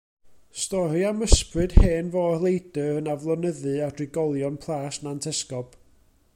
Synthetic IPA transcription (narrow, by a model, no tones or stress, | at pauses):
stɔɾiaməsprɨd̥heːnvoːrlˠejdəənavlˠɔnəðɨadrɪɡɔlˠjɔnpʰlˠaːsnantʰɛskɔb̥